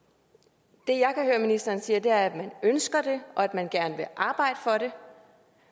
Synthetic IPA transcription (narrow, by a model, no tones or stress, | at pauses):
d̥e̝jɑ̈ɪkʰæhøːɐminisd̥ɐːnsiːɐd̥e̝æɐæd̥mænønsɡ̥ɐd̥e̝ʔɒ̽æd̥mænɡ̥æɐnəʋe̝ʔɑ̈ːb̥ɑ̈ɪ̰d̥əfɒ̽ɾe̝